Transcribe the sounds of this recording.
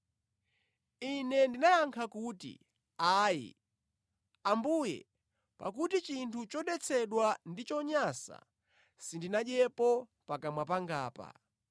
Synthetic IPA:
inɛndinajaŋkʰakutḭ | aːjḭ | ambujɛ̰ | pa̰k̬utit͡ʃintʰut͡ʃɔɗɛt͡sʰɛɗwandit͡ʃɔɲasa̰ | sindinaɗɛpɔ | pakamwapaŋɡaːpa̰

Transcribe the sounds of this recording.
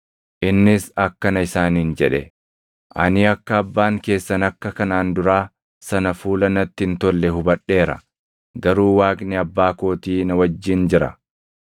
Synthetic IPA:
ʔɪnːɪsɐkːɐnɐɪsaːniːnd͡ʒɛᶑɛ | ʔɐ̰nɪɐkːɐːbːaːŋke̞ːsːɐnɐkːɐkɐnaːnd̪ʊɾaː | sɐnɐfuːlɐnɐt̪ːɪɪnt̪ɔlːɛɦʊbɐᶑe̞ːɾɐ̰ | ɡɐɾuːwaːkʼnɪɐbːaːko̞ːt̪iːnɐwɐd͡ʒːɪnd͡ʒɪɾɐ̰

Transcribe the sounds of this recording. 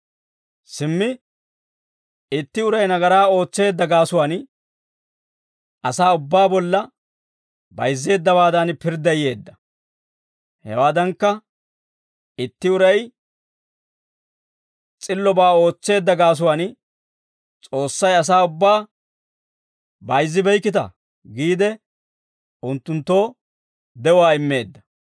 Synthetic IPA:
sɪmːɪ | ɪt̪ːɪʊɾɐjnɐɡɐɾaːo̞ːt͡sːe̞ːd̪ːɐɡaːsʊwaːn | ɐsaːʊbːaːbɔlːɐ | bɐjzːe̞ːd̪ːɐbaːd̪ɐnpɪɾd̪ɐje̞ːd̪ːɐ̥ | hɛ̰waːd̪ɐŋkːɐ | ɪt̪ːɪʊɾɐj | t͡sʼɪlːɔbaːo̞ːt͡sːe̞ːd̪ːɐɡaːs̬ʊwan | t͡sʼo̞ːsːɐjɐs̬aːʊbːaː | bɐjzːɪbɛjkːɪt̪ɐ̰ | ɡiːd̪ɛ | ʊnt̪ːʊnt̪ːo̞ː | d̪ɛwaːɪmːe̞ːd̪ːɐ̥

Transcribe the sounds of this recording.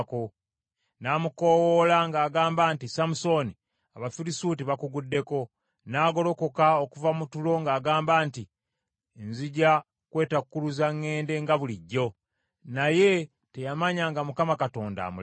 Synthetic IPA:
ko | naːmuko̞wolaŋɡaːɡaːmbaːntisamuso̞ni | aβafiɾisuːtiβakuɡudːe̞ko̞ | naːɡo̞lo̞ko̞kaokuvamutulo̞ŋɡaːɡaːmbaːnti | nziɟa | kwe̞ːtakukuluzaŋːe̞ːnde̞ŋɡaβuliɟːo̞ | naje̞ | te̞jamaɲaːŋɡamukamakato̞ːnda̰mu

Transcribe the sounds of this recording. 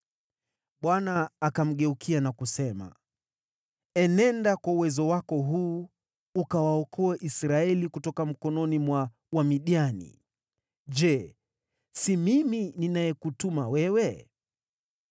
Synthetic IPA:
ɓwanaːkam̩ɠɛukʰianakusɛma̰ | ɛnɛndakwauwɛzɔwakɔɦuː | ukawaɔkʰɔɛʔisɾaɛlikutɔkam̩kɔnɔnimwa | wamiɗianḭ | ʄɛ | simimininajɛkutumawɛwɛ

